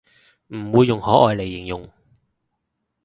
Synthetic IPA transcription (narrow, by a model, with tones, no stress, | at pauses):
m̩˨˩wuː˨˧jːʊ˨˩ŋhɔː˨˥ʔɔː˨jle˨˩jːɪ˨˩ŋjʊ˨˩ŋ